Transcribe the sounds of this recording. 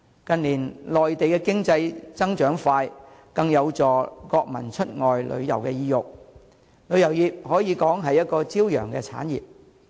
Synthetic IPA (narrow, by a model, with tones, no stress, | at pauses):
kɐ˨˧nliː˨˩nlɔː˨jt̪e˨jkɛ˧kɪ˥ŋt͡sɐ˧jt͡sɐ˥ŋt͡ʃœː˨˥ŋfaː˧jkɐ˧ŋjɐ˨˧wt͡sɔː˨kɔː˧k̚mɐ̰˨˩nt͡ʃʰɵ˥t̚ŋɔː˨jlʔɵ̰˨˧ɥjɐ̰˨˩wkɛ˧jiː˧jʊ˨k̚ | lɵ˨˧ɥjɐ˨˩wjiː˨p̚hɔː˨˥jiː˨˧kɔː˨˥ŋɦɐ˨jɐ˥t̚kɔː˧t͡siː˥wjœː˨˩ŋkɛ̰˧t͡sʰa̰ː˨˥njiː˨˩p̚